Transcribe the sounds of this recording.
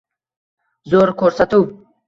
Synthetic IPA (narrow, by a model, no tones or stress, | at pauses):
zoːɾkʰoɾsat̪u